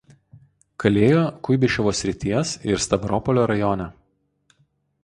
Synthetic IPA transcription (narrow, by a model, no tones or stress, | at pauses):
kɐlʲeːjoːkʊɪbʲɪʃʲɛʋoːsʲɾʲɪt̪ʲiɛsɪɾst̪ɐbɾɔːpɔlʲoːɾɐjɔːnʲɛ